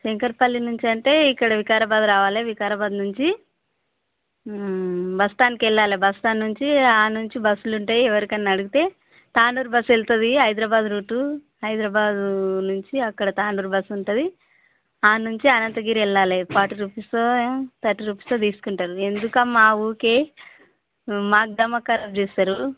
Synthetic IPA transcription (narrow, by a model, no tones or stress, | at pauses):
siŋkɐɾpɐlːinuɲt͡ʃiɐɳʈe̞ːikːɐɽɐʋikaːɾɐbaːd̪ɾaːʋaːleʋikaːɾɐbaːd̪nuɲt͡ʃi | bɐst̪aːnikɛɭːaːlebɐst̪aːnːuɲt͡ʃiaːnuɲt͡ʃibɐsuluɳʈaːjiɛʋɐɾikɐninɐɽuɡut̪e̞ː | t̪aːɳɖuːɾbɐselt̪ɐd̪iɦɐjd̪ɾɐːbaːd̪ɾuːʈu | ɦɐjd̪ɾɐbaːd̪unuɲt͡ʃiɐkːɐɽɐt̪aːɳɖuɾbɐsuɳʈɐd̪i | aːnuɲt͡ʃiɐnɐnt̪ɐɡiːɾɛɭːaːlepaːʈiɾupist̪ot̪ɐʈːiɾupːi̥st̪ot̪iːsu̥kuɳʈaːɾue̞nd̪ukɐmːaːuːke | maːk̚d̪ɐmːɐkːɐɾɐd͡ʒeːst̪aːɾu